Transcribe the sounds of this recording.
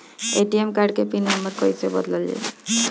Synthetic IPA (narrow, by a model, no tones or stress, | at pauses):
eʈiemkaɾɖkepinaməɾkɔjsebɔd̪lɔlːḛ